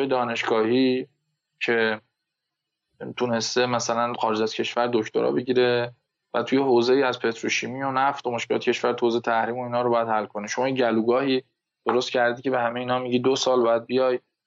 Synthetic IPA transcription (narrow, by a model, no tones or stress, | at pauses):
jed̪ɒːne̞ʃɡɒːhiː | cʰe̞ | t̪ʰune̞st̪e̞mæsælænxɒːɾed͡ʒæz̥cʰe̞ʃvæɾd̪ocʰt̪ʰo̰ɾɒ̰be̞ɟiːɾe̞ | væt̪ʰujeɦoːze̞iːæzpʰe̞t̪ʰɾuʃiːmiːonæft̪omoʃkelɒ̰ːt̪e̥cʰe̞ʃvæɾt̪ʰuozet̪ʰæhɾiːmo̞iːnhɒːɾobɒjæd̪hælkʰo̞neʃomɒːjeɟæluɡɒːhiː | d̪̥oɾost̪̚cʰæɾd̪icʰe̞be̞ɦæmeiːnɒːmiɟid̪osɒːlbɒːjæd̪̚bijɒːj